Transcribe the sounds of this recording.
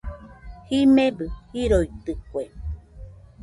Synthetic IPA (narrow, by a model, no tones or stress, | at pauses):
himẽbɨhiɾoit̪ɨkue